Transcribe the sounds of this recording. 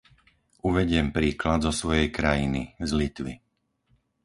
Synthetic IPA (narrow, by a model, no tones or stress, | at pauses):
ʔuʋɛɟɪɛmpɾiːklad̪zɔsʋɔjɛjkɾajinizlit̪ʋi